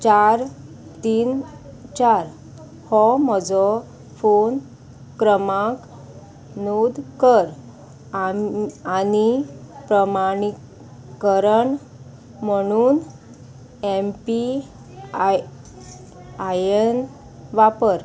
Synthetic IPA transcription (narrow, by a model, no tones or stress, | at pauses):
t͡ɕaɾ | t̪iːn | t͡ɕaɾ | hɔmɔd͡zɔ | fon | kɾəmãk | nod̪kəɾ | anipɾəmaɽ̃i | kəɾəɳ | m̤əɽ̃uːn | empi | ajən | ʋapəɾ